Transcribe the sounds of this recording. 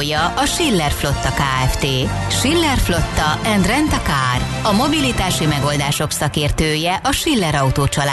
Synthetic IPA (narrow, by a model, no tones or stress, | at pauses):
jɒʔɒʃilːɛrflo̞t̪ːɒkaːɛft̪eː | ʃilːɛrflo̞t̪ːɒɛnd̪rɛnt̪ɒkaːr | ɒmo̞bilit̪aːʃimɛɡo̞ld̪aːʃo̞ksɒkeːrt̪øːjɛʔɒʃilːɛɾɒut̪oːt͡ʃɒlaː